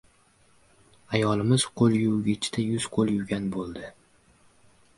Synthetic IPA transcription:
ajɒlˠɪmɪz̥qʰolˠjʊwɡʲɪt͡ʃʰɪ̥d̪ajʊz̥qʰolˠjʊɡʲanbolˠd̪ɪ

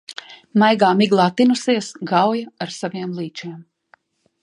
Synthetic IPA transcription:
majɡaːmiɡlˠɑːt̪inusiɛsɡawjaaɾsaviɛmlˠiːt͡ʃiɛm

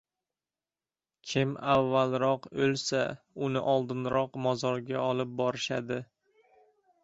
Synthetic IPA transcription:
kʲʰɪmavːalˠɾɒqɵlsa | ʊnɪʔɒlˠd̪ɪnɾɒqmɒzɒɾɡʲaɒlˠɪp̚bɒɾɪʃad̪ɪ

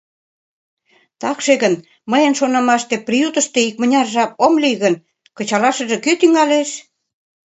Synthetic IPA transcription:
t̪ɑkʃeɣən | məjə̆nʃonɑmɑʃt̪ĕprijut̪ə̆ʃt̪eik̚mə̆nʲɑrʒɑp̚omliɣən | kə̆t͡ɕɑlɑʃə̆ʒĕkyt̪yŋɑleʃ

